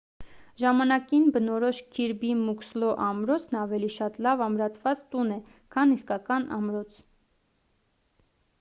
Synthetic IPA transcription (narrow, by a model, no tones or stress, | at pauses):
ʒɑmɑnɑkinbənɔɾɔʃkʰiɾbimukslɔʔɑmɾɔt͡sʰnɑvɛliʃɑt̪lɑvɑmɾɑt͡sʰvɑt͡st̪unɛ | kʰɑniskɑkɑnɑ̰mɾɔt͡sʰ